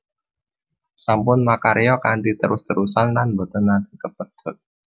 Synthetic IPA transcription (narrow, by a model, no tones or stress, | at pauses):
sampʊnmakaɾeɔkand̪it̪əɾʔʊst̪əɾusanlanbət̪ənad̪i̤kəppət̪ʰʊ̤t̪̚